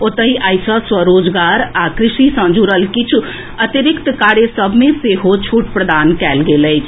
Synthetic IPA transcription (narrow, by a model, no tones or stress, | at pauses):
ot̪əiʔəjsə̃swəɾod͡ʒɡaɾakɾisisə̃d͡ʒuɾəlkit͡ʃʰu | ət̪iɾɪkt̪kaɾesəbʱmeseɦot͡ʃʰuʈpɾəd̪ankɛlɡeləjt͡ʃʰ